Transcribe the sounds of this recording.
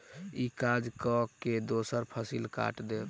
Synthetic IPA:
ikad͡ʒkɔked̪osəɾpʰəsilka̰ʈd̪e

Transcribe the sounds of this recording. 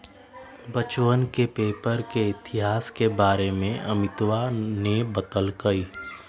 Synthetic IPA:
bət͡ʃwənkepeːpəɾkeɪt̪ɪɦaːskebaːɾemẽʔɐmɪt̪wanebət̪əlkɐiː

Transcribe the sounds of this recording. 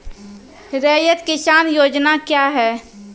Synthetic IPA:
ɾɛɦjət̪kɪsaːnjoːd͡ʒnakjaːɦɛː

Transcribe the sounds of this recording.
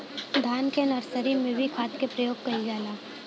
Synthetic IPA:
d̪ʱaːnkenɐɾsəɾimẽbʱikʰaːt̪kepɾɐjoːɡ̚kɐid͡ʒaːlaː

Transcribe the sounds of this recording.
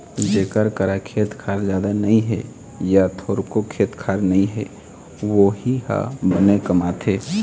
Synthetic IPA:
d͡ʒeːkəɾkəɾakʰeːt̪kʰaːɾd͡ʒjaːd̪anəĩɦɛ̰ | jat̪ʰoːɾkokʰeːt̪kʰaːɾnəĩɦɛ | ʋoɦiɦa̰bənekəmaːt̪ʰe

